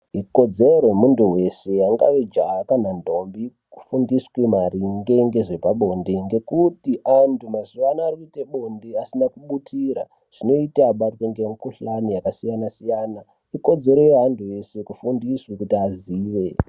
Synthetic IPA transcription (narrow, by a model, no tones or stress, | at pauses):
iko̞d͡ze̞ɾojemunduɦe̞se̞jaŋɡa̰ʋed͡ʒakanandʱo̞mbi | ku̥fundiswemariŋɡe̞ŋɡe̞ʐe̞paɓo̞ndeŋɡe̞kutiʔantʰumazuʋanaːrikuiteɓo̞ndeasinakuɓutʰiːɾa | ʐ̥ino̞itaːɓatweŋɡemukuɬanijakasijanasijaːna | iko̞d͡ze̞ɾo̞jeɦantʰuje̞se̞kufundiswekutiaziːʋe̞